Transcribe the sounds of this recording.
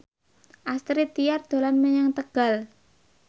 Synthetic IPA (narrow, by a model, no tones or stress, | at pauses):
ʔast̪ɾit̪ijard̪̥o̤lanmeɲaŋt̪əɡ̥a̤l